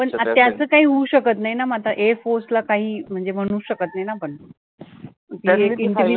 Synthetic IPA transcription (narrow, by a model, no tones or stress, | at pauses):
pəɳat̪jat͡səːkaɦiːɦuːɕəkət̪naɦinamat̪aʔefoslakaɦiːm̤əɳd͡zem̤əɽ̃ũːɕəkət̪naɦjnapəɳ | t̪ekiimi